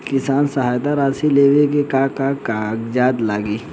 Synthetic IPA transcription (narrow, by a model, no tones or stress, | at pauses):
kɪsaːnsɐɦaːjt̪aɾaːsileːʋekekakakakd͡ʒaːd̪laːɡiː